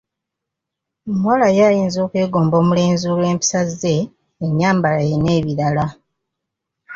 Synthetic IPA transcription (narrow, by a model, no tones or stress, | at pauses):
omwalajajiːnzo̞ːkwe̞ːɡo̞ːmbo̞ːmule̞ːnzulwe̞ːmpi̥sazːe̞ː | ɲːaːmbalajene̞ːβiɾala